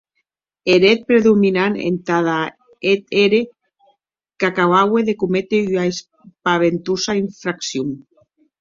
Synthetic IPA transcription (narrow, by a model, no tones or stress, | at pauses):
eɾet̪̚pɾeðuminanḛnt̪aða | et̪eɾe | kakaβaweðekumet̪eyaes | paβent̪usaiɱfɾaksjum